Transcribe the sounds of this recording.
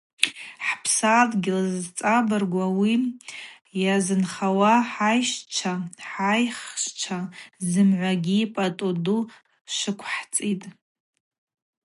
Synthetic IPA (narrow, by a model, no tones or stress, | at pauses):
ħpʰsadʼɡʲɪlazt͡sʼabɨrɡʷawi | jazɨnχawaħajʃt͡ʃʷʰaħajχʃt͡ʃʷʰazɨmʕʷaɡʲiːpʼatʼodu | ʃɨkʷʰħt͡sʼitʼ